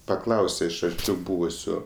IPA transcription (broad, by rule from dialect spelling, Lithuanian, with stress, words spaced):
pɐˈklˠɐʊsʲɛ ɪʃ ɐrʲˈt͡ʃʲɛʊ ˈbuːʋʊsʲʊ